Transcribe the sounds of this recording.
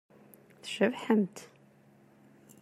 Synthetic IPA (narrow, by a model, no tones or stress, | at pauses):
θʃəvħəmt̪